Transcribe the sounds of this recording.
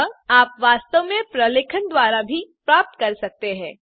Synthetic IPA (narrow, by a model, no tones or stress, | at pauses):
aːpʋaːst̪əʋmẽpɾəleːkʰənd̪waːɾabʱipɾaːp̚t̪kɐɾsɐk̚t̪eɦɛ̃ː